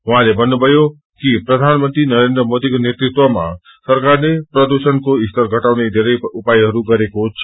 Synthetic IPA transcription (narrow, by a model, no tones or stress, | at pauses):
ʋɦãlebənːubəjo | kipɾəd̪ʱanmənt̪ɾinəɾend̪ɾəmod̪ikonet̪ɾɪt̪ʋomã̰ | səɾkaɾnepɾəd̪uʃənkoɪst̪əɾɡʱəʈaʋned̪ʱeɾeupajɦəɾukəɾekot͡ʃʰ